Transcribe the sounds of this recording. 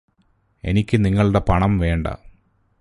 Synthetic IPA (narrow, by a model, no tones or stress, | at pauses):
e̞̰nikʲːɨniŋːɐɭuɽepɐɳɐmʋe̞ːɳɖɐ̰